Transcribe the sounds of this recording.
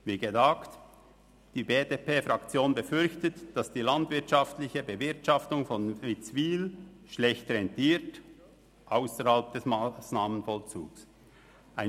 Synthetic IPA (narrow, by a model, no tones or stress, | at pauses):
viːɡədaːkt | d̥iːbeːdeːpeːfʁɑkt͡sjoːnbəfʏɾçtətd̥asd̥iːlandvɪtʃɑftlɪçəbəvɪʁtʃɑftʊŋfɔnvit͡sviːlʃlɛçtəɛntʰiːɾt | ʔaʊsəhalp̚d̥ɛsmasnaːmənfɔlt͡sṵːks | ʔaɪ